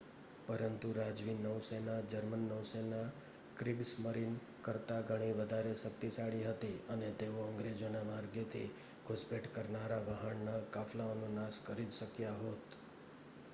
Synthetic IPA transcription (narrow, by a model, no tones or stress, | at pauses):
pəɾənt̪uɾad͡ʒʋinːəʋsenad͡ʒəɾmənːəʋsena | kɾɪɡsməɾin | kəɾt̪aɡʱəɽ̃iʋəd̪ʱaɾeʃək̚t̪isaɽiɦət̪iənet̪eoəŋɡɾed͡ʒonamaɾɡet̪ʰḭ | ɡʰʱʊspeʈkəɾnaɾaʋaɦəɳnakaflaonũnaskəɾid͡ʒʃəkjaɦot̪